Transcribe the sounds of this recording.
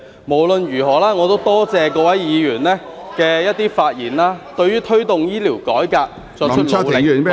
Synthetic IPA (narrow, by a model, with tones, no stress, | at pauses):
mo˨˩wlɵ˧njyː˨˩ɦɔː˨˩laː˥ŋɔː˨˧t̪o˥wt̪ɔː˥t͡sɛː˧k̬ɔː˧wɐ˨˥jjiː˨˧jyː˨˩nlɛː˥ | kɛː˧jɐ˥t̪̚iː˥faː˧t̚jiː˨˩nlaː˥t̪ɵ˧ɥyː˥t̪ʰɵ˥t̪ʊ˨ŋjiː˥liː˨˩wkɔː˨˥jkaː˧k̚ | t͡sɔː˧t͡ʃ̚ʰmʰ˨˥˨leː˨˩˨